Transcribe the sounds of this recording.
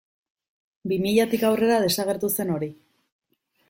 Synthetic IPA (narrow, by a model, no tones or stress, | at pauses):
bimiʎat̪ikawre̞ɾað̞e̞saɣ̞e̞ɾt̪use̞no̞ɾi